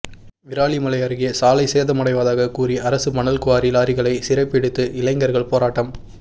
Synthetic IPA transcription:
ʋɪɾaːɭimɐlɐjɐɾɣɪjɐsaːlɐɪseːðɐmɐɽɐɪʋaːðaːɣɐkuːriɐɾɐsɯmɐnɐlkʊʋaːɾɪlaːɾɪɣɐɭɐɪsɪɾɐpːɛɽɯt̪ːɯʔɪlɐɪŋɡɐɾɣɐɭpoːɾaːʈːɐm

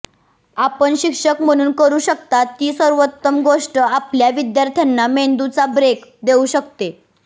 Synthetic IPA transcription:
apəɳɕikʂəkm̤əɽ̃uːnkəɾuːɕək̚t̪at̪ːiːsəɾʋət̪ːəmɡoʂʈəapljaʋid̪jaɾt̪ʰjanːamend̪ut͡sabɾekd̪euɕəkt̪e

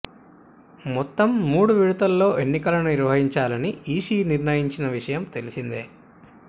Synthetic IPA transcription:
mɔt̪ːɐmːuːɽuʋiɽut̪ɐlːo̞ːʔe̞nːikɐlɐnuniɾʋɐɦiɲt͡ʃaːlɐniiːsiːniɾnɐjiɲt͡ʃinɐʋiʂɐjɐmt̪e̞lisind̪eː

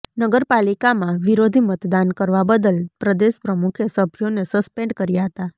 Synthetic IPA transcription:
nəɡəɾpalikamãʋiɾod̪ʱimət̪d̪ankəɾʋabəd̪əlpɾəd̪eʃpɾəmukʰjəsəbʱjonesəspẽɳɖkəɾjaɦət̪a

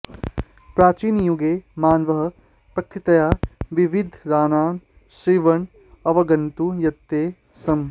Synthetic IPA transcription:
pɾaːt͡ʃiːnjuɡeːmaːnʋɐɦɐ̆ | pɾɐkʰɾit̪ɐjaːʋiʋid̪ʱɾaːnaːm | sɾiʋɐɳ | ɐʋɐɡɐnt̪ujɐt̪ːeː | sɐm

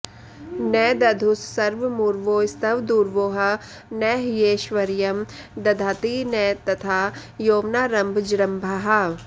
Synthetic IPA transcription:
nɛːd̪ɐd̪ʱusːɐɾʋmuɾʋoːst̪ɐʋd̪uːɾʋoːɦɐ | nɛːɦjeːʃʋɐɾjɐm | d̪ɐd̪ʱaːt̪inɛːt̪ɐt̪ʰaːjoːʋnaːɾɐmbʱd͡ʒɾɐmbʱaɦɐ

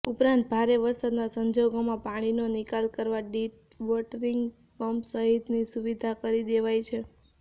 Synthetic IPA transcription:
upɾãnt̪̚bʱaɾeʋəɾsad̪nasəɲd͡ʒoɡomãpaɽ̃inonikalkəɾʋaɖiʈ | ʋɔʈəɾiŋɡ | pəmpsəɦit̪nisuʋid̪ʱakəɾid̪eʋajt͡ʃʰe

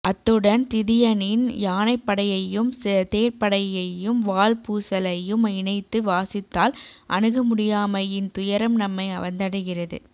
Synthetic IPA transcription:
ʔɐt̪ːɯɽɐnt̪ɪðɪjɐnɪnjaːnɐɪpːɐɽɐjɐjɯmst̪eːɾpɐɽɐjɐjɯmʋaːlpuːsɐlɐjɯmɪɳɐɪt̪ːɯʋaːsɪt̪ːaːlʔɐ̰ɳɯɣɐmʊɽɪjaːmɐjɪnt̪ʊjɐɾɐmnɐmːɐɪɐʋɐnd̪ɐɽɐɪɣɪrɐðɯ̰

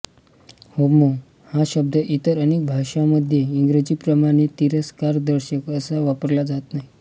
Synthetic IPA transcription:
homo | haɕəb̚d̪əʔit̪əɾəñek̚bʱaʂaməd̪ʱjeiŋɡɾed͡ʑiːpɾəmaɽ̃et̪iɾəskaɾd̪əɾɕəkəsaʋapəɾlad͡zat̪naɦi

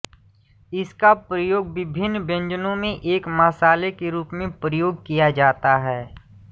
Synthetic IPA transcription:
ɪskapɾəjoːɡʋɪbʱɪnːbə̃ɲd͡ʒənõmẽʔeːkmaːsaːlekeɾuːpmẽpɾəjoːɡ̚kijad͡ʒaːt̪aɦɛː

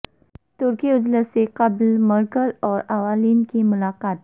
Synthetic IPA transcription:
t̪uɾkiud͡ʑləsekəblməɾkəlɔɾaʋaliːnkiːmulakat̪̚

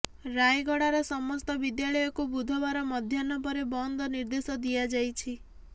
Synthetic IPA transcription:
ɾajɡɔɽaɾɔsɔmɔst̪ɔbid̪jaɭɔjɔkubud̪ʱɔβaɾɔmɔd̪ʱjanɔpɔɾebɔnd̪ʱɔniɾd̪esɔd̪ijad͡ʒajt͡ʃʰi

